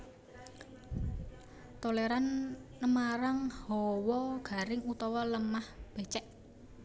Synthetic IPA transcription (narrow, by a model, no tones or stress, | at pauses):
t̪oleɾanːəmaɾaŋhɔwɔɡ̥a̤ɾɪŋut̪ɔwɔləmahb̥e̤t͡ʃɛʔ